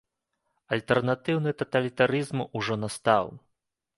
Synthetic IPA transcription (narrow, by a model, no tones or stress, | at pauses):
ɐlʲt̪ɛrnat̪ɨwnɨt̪ɐt̪ɐlʲit̪aɾɨzmuʐɔnast̪aw